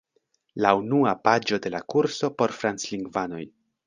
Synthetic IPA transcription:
launuapad͡ʒo̞de̞lakuɾso̞po̞ɾfɾant͡sliŋɡvano̞̰j

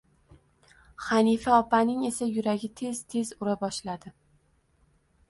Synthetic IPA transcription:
χanifaɒpanɪŋe̞sajʊɾaɡʲɪt̪ʰe̞z̥t̪ʰe̞zʊɾabɒʃlad̪̥ɪ

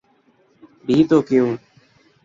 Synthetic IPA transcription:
bʱiːt̪oːkɪjũː

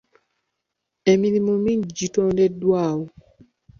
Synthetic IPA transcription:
eminimõmĩd͡ʒitɔ̃ndɛdwawu

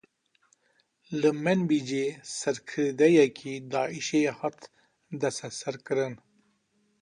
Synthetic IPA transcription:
ləmenbid͡ʒesaɾkʰəɾd̪ajakʰid̪ɑːiʃehat̪ | d̪asasaɾkəɾən

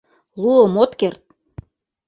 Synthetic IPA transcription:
luəmot̪kert̪̚

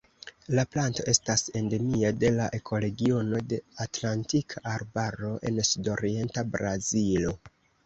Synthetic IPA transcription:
laplanto̞ʔe̞stase̞nde̞miade̞laʔe̞kʰo̞le̞ɡio̞no̞de̞atlantikʰaʔːɾbaɾo̞ʔe̞̰nsudo̞ɾie̞ntabɾazilo̞

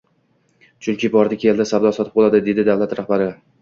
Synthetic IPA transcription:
t͡ʃʰʊŋkʲʰɪbɒɾd̪akʲʰeld̪asabd̪ɒsɒt̪ɪ̥p̚bolˠad̪ɪd̪e̞d̪ɪd̪avlat̪ɾahbaɾɪ

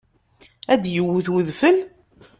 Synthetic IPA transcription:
æd̪jəwːuθwʊðfəl

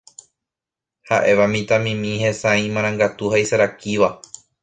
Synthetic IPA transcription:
ha̰ʔe̞ʋamĩt̪amĩmĩhẽsãĩmãɾ̃ãŋɡat̪uhajsaɾakiʋa

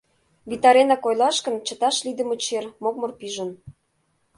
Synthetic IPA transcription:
βit̪ɑɾenɑkojlɑʃkə̆nt͡ɕə̆t̪ɑʃlid̪ə̆mə̆t͡ɕermok̚mɤ̆rpiʒə̆n

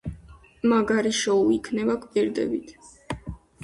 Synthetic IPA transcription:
maɡaɾiʃɔuikʰnɛbakʼpʼiɾd̪ɛ̰bit̪ʰ

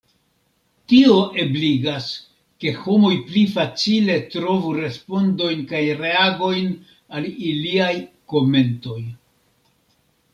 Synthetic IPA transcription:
tio̞ʔebliɡas | ke̞homojplifat͡sile̞tɾo̞vuɾe̞spo̞ndo̞jnkajɾe̞aɡo̞jn | aliliaj | ko̞me̞nto̞j

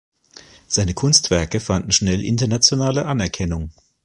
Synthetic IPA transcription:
z̥aɪnəkʰʊnstv̥ɛɐkəfandn̩ʃnɛlʔɪ̰ntɐnat͡sjonaːləʔanɛɐkʰɛnʊŋ

